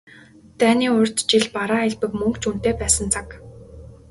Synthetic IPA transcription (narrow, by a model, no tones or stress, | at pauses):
t̪æːniːʊr̥ʲt̪t͡ɕiɮpaɾăːɮpɘ̆kmɵŋkt͡ɕun̥t̪eːpæːsə̆nt͡sʰak